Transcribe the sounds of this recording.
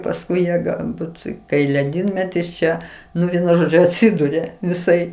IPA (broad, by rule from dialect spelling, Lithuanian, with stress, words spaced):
pɐsˈkʊɪ ˈjiɛ ɡɐlˠˈbuːt kɐɪ lʲɛˈdʲiːnʲmʲɛtʲɪs ˈt͡ʃʲɛ ˈnʊ ˈʋʲiɛnʊ ˈʒoːd͡ʒʲʊ ɐtʲˈsʲɪdʊrʲɛ ʋʲɪˈsɐɪ